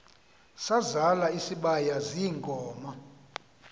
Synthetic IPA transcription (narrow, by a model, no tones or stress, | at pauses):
sazalaisiɓajaziŋɡʼʱɔːma